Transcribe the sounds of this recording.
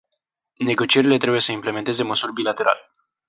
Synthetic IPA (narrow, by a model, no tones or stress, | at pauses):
ne̞ɡo̞t͡ʃie̞ɾile̞t̪ɾe̞bujesəimple̞me̞nt̪e̞ze̞məsurʲbilat̪e̞ɾʔa̰le